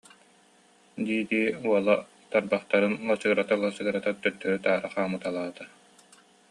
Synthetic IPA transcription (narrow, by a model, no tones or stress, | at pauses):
d̪iːd̪iːuɔlˠa | t̪aɾbaχt̪aɾɯnlˠasɯɡɾat̪alˠasɯɡɾat̪at̪ːœɾt̪ːœɾyt̪aːɾaχaːmɯt̪alˠaːt̪a